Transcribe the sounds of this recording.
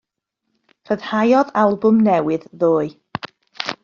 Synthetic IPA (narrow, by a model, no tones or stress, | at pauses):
r̥əð̥hajɔðalˠbʊmnɛwɨððoːɨ